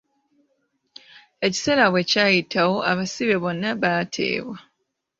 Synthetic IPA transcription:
e̞ci̥se̞laβwe̞caːjitʰawo̞ʔaβasiβe̞βo̞nːaβatʰe̞̰ːβwa

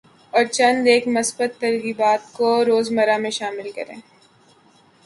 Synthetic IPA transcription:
ɔːɾt͡ʃɐ̃nd̪eːkmɐsbət̪ːɐɾɣiːbaːt̪koɾoːzmɐɾamẽʃaːmɪlkɐ̰ɾḛ̃ː

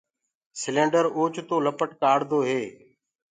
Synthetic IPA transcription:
sɪlẽːɳɖəɾoːt͡ʃt̪oːləpəʈkaːɽd̪oːɦeː

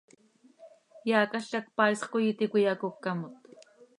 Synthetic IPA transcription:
jaːkaʃakpasqojɪt̪ɪkʷʊjakokːamʊt̪

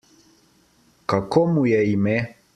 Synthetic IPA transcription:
kakɔmujɛimɛ

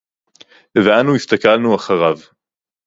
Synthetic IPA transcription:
veʔanuist̪akalnuaχaʁav

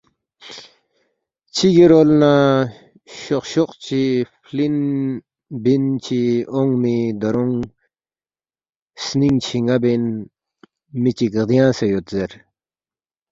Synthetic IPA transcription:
t͡ɕʰiɡiɾolna | ɕoqɕoqt͡ɕʰifʰlin | bint͡ɕʰioŋmid̪ɐɾuŋ | sniŋt͡ɕʰiŋabin | mit͡ɕikd̪ijãːsejot̪zeɾ

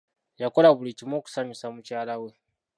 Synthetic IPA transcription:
jako̞laβulicimo̞ːku̥saɲusamucaːlawe̞

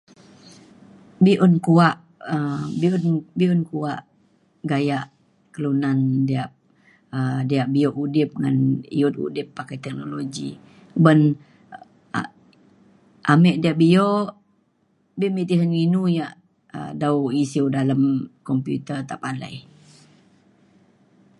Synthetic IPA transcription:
biʔʊnkuaʔ | əbiʊnbiʊnkuaʔ | ɡajaʔ | kəlunandiaʔ̚ | ədijaʔbioʔudɪp̚ŋa̰nḭut̪ṵdɪpːakajt̪ɛk̚noloɡḭ | bən | ʔamɛʔdiaʔbijoʔ | bimit̪isaninujaʔ | ə̰dawisiwdaləmkɔmpjṵt̪ərt̪apala̰j

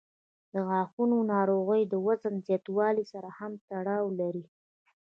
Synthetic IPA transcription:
d̪̥əɣɑxunonɑɾoɣəjd̪əwazənzjɑt̪wɑlisaɾahamt̪aɽɑwlaɾi

